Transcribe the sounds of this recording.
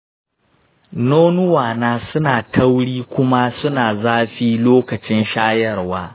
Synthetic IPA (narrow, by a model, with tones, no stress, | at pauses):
noː˦nʊ˦waː˨naː˦sʊ˦naː˨tʰɐ˦wɽiː˦kʷʊ˦ma˦sʊ˦naː˨zaː˦ɸiː˦loː˦kɐ˨t͡ʃɪ˦nʃaː˦jɐ˦˨rwaː˦